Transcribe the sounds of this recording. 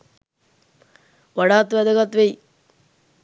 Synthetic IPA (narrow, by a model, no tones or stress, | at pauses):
ʋaɽaːt̪ʋɛd̪əɡat̪ʋej